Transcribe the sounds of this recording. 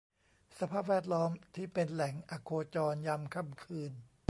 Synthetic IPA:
sa˧pʰaː˥˩p̚wɛː˥˩t̪̚lɔː˦˥mt̪ʰiː˥˩pe˧nlɛ˨˩˦ŋʔa˧˩kʰoː˧t͡ɕɔː˧nja˧mkʰa˧˥˩mkʰɯː˧n

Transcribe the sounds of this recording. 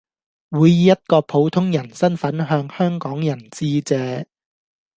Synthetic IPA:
wuː˨˧jjiː˨˧jɐ˥t̚kɔː˧pʰo˨˧wt̪ʰʊ˥ŋjɐ˨˩nsɐ˥nfɐ˨˥nɦœː˧ŋhœː˥ŋkɔː˨˥ŋjɐ˨˩nt͡siː˥t͡sɛː˨˥

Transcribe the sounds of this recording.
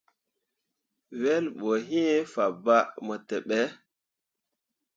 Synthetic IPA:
we˦lɓo˨ɦĩ˦fa˨ba˦mə˨te˨ɓe˦

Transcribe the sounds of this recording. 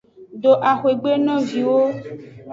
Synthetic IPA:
ɖo˨ʔa˨xwe˨ɡ͡be˦nɔ̃˦vi˨wo˦

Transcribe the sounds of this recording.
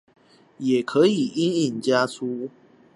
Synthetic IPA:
jɛ˨˩kʰɤ˨˦i˨˩i˦˥ni˥˩nt͡ɕja˥t͡sʰu˦

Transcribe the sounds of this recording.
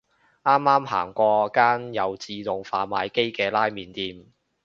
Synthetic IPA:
ʔaː˥mːaː˥mha̰ː˨˩ŋkʷɔː˧kaː˥njɐ˨wt͡siː˧t̪ʊ˨ŋfaː˨˧maː˨˧jke˥jkɛː˧laː˥jmiː˨nt̪iː˨˧m

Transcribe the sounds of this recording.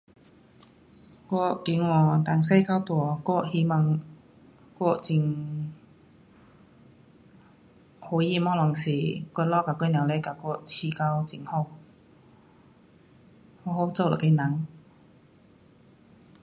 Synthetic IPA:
kɔ˧˩ki˨˥ŋwɔː˨˧t̪a˨˩ŋs̬e˥jka˥wt̪ɔ˨˩kɔ˧˩hi˧˥ma˧ŋ | kɔ˧˥t͡si˧˨ŋ | ho˨˧˥jiː˧˨mɔː˥lɔ˨˩ŋsiː˨˩kɔ˧lɔː˥kaː˨˧˩ko˧jna˨wlɛ˧˥˩ka˨˧˩kɔ˧t͡sʰiː˧˩ka˧˥wt͡si˨ŋho˥˧˩w | hɔ˧˥ho˨˧˥wt͡so˧wlɔ̰˨˩ke˧˥na˨˥ŋ

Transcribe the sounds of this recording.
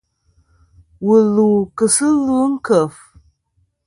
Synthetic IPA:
wulu˨kɨsɨ˦lu˦ŋkʰə˨f

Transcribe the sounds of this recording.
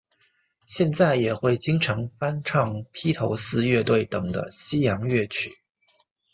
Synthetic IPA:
ɕjɛ˥˧nt͡sa˥˩ɪjɛ˨˩xwe˥˩ɪt͡ɕi˥ŋʈ͡ʂʰɤ˧˥ŋfa˥nʈ͡ʂʰɑ˥˧ŋpʰi˥t̪ʰo˧˥ʊsɹ̩˥˧ɥɛ˥˧t̪we˥˩ɪt̪ɤ˨˩ŋd̪ə̰˦ɕi˥jɑ˧˥ŋɥɛ˥˩t͡ɕʰy˨˩˦

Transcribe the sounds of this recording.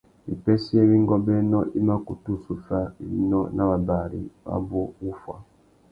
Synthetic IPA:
i˨pɛ˦si˦e˦βi˦ŋɡɔ˦bɛ˦nɔ˦ʔi˦ma˦ku˨tu˦su˨fa˦ḭ˨˦nɔ˦nʔa˦˨βa˨ba˨ɾḭ˨βa̰˦bu˦u˦fwa̰˨

